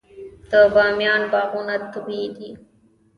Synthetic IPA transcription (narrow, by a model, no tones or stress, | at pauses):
t̪əːbaːmjaːnbaːɣunɐt̪ːubiːd̪iː